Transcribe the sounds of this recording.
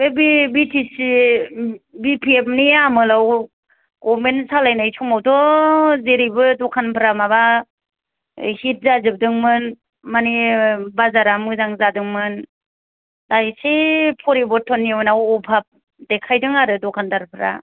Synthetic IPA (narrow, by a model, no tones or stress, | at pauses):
bebibitʰisi | bipʰiep̚niamɯlaw | ɡ̥ɔmensalajnajtʰumawdɔzeɾibɯdɔkʰanpʰɯɾamaβa | hit̚zazɯb̚dɯŋmɯn | manibazaɾamɯzaŋzadɯŋmɯn | dajsepʰɔɾibɔtʰːɔnːiwɔnawɔpʰap̚ | dekʰajdɯŋaɾɯdɔkʰandaɾpʰɯɾa̰